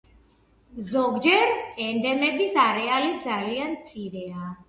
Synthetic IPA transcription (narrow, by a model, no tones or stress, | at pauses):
zɔɡd͡ʒɛɾɛnd̪ɛmɛbisaɾɛalid̪zaliant̪sʰiɾɛa